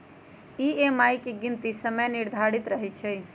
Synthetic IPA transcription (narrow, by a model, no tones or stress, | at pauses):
iemajkeɡint̪isəməjniɾd̪ʱaɽit̪ɾəɦɛt͡ʃʰɛ